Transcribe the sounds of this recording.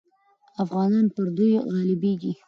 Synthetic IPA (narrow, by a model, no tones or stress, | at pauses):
afɣɑnɑnpəɾd̪ujɣɑlɪbeɡi